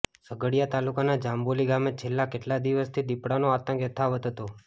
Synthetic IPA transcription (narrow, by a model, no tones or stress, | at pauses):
səɡəɽijat̪alukanad͡ʒamboliɡamet͡ʃʰelːakeʈlad̪iʋəst̪ʰid̪ipɽanoat̪ə̃ŋkjət̪ʰaʋəd̪ʱɦət̪o